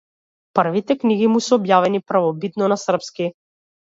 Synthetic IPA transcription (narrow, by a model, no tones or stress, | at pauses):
pr̩vit̪ɛkniɡimusɛɔbjavɛnipɾavɔbit̪nɔnasr̩pski